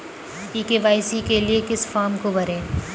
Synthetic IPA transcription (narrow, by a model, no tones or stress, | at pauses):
piːkeːʋaːɪsikeliekɪsfaːɾmkobɐɾẽː